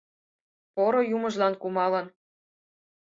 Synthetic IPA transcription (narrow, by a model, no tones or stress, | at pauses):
poɾojumɤ̆ʒlɑnkumɑlɤ̆n